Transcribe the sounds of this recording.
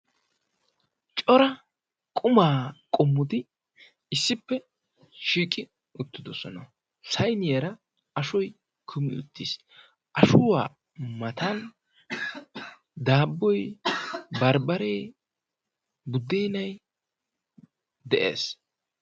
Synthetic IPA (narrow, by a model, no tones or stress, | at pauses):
t͡ʃʼɔɾɐ | kʼʊmaːkʼʊmːʊd̪ɪ | ɪsːɪpːɛ | ʃiːkʼɪ | ʊt̪ːɪd̪ɔsɔnɐ | sɐjnɪjɐɾɐ | ɐʃɔj | kʰʊmɪ̰ʊ̰t̪ʰːis | ʔɐʃʊwaː | mɐt̪ɐn | d̪aːbːɔj | bɐɾbɐɾeː | bʊd̪ːeːnɐj | d̪ɛʔḛːs